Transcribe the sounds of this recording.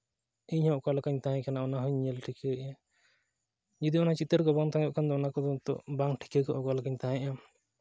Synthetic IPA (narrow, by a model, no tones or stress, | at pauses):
iɲhɔkalakaɲt̪aɦɛ̃kanaɔnaɦuɲɲɛlʈʰikɛʔa | d͡ʒid̪iɔnat͡ʃit̪əɾkɔbaŋt̪ãɔʔkand̪ɔɔnakɔd̪ɔt̪ɔ̰baŋʈʰi̥kɛkɔʔɔkalakaɲt̪aɦɛ̃ʔa